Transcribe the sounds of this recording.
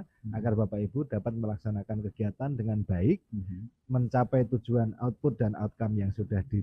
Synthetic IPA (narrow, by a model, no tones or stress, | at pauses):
aɡarbapaibudapat̪̚məlaksanakankəɡ̥iat̪andəŋanb̥aɪk̚ | məɲt͡ʃapɛjt̪u̥d͡ʒ̥uana̰ʊt̪̚put̪̚dana̰ʊt̪̚kamjaŋsud̥ahd̥i